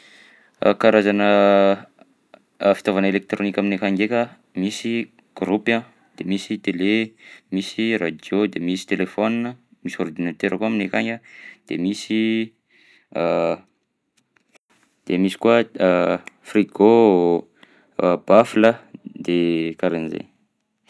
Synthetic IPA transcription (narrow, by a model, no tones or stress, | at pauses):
ə̰kaɾazanə | fi̥t̪ovanelek̚t̪ɾonikʲaminekaŋɡekʲə | misi | ɡ̥ɾupã | d̪̥emisit̪elemisirad͡ʒ̪iod̪emisi̥t̪elefoninəmisoɾd̪inat̪eɾəkuaminekaŋɡəd̪̥emisi | d̪̥emisi̥kua | friɡo | b̥afləd̪ekaɾenzḛn